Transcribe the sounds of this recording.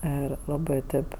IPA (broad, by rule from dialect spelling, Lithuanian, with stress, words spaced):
ˈɪr ˈlˠɑːbɜ ˈtʲeːp